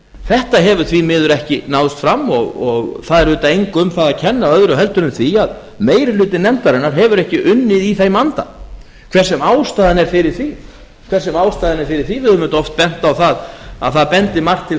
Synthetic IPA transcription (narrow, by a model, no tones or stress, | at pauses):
θɛht̪aɦɛvʏɾ̥θvimɪːðʏɾɛhcɪnawðʏst̪fɾamːɔɣɔɣθaðɛɾvʏːt̪aejŋkʏmθaðacʰɛnːaœðɾʏɦɛlt̪ʏɾʏmθviað | meːjɾɪlʏːt̪ɪnɛmt̪aɾɪnːaɾ̥ɦɛvʏɾɛhcɪʔʏnːɪðiθejmant̪a̰ | kʰv̥ɛr̥sɛmaːwst̪aːðanɛɾ̥fɪɾɪɾ̥θvi | kʰvɛɾ̥sɛmaːwst̪aːðɪnɛɾfɪɾɪɾ̥θvivɪðʏmːʏt̪ɔft̪̚pɛn̥t̪awθaða̰ðθaðpɛnt̪ɪmar̥t̪ʰːɪl